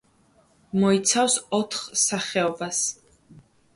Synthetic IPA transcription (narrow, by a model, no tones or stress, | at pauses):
mɔit̪sʰafsɔt̪ʰχsaχɛɔbas